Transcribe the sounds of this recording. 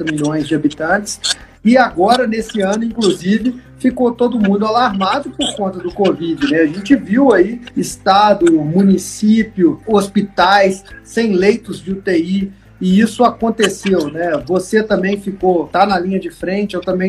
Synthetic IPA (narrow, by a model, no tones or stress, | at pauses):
t̪ɐmiʎõj̃zd͡ʒɪabit̪ɐ̃t͡ʃɪ̥s | ɪaɡɔɾɐnesɪɐ̃nʊĩkluzivɪfikot̪od̪ʊmũnd̪ʊalaɾmad̪ʊpoɾkõnt̪ɐd̪ʊkovid͡ʒɪnɛaʒẽt͡ʃɪviwaiɪst̪ad̪ʊmũnisipjʊospit̪ajsːẽj̃lejt̪ʊzd͡ʒɪʊt̪ei | ɪisʊakõnt̪esewnɛvoset̪ɐ̃mbẽj̃fikowt̪anɐlĩɲɐd͡ʒɪfɾẽt͡ʃɪewt̪ɐ̃mbẽj̃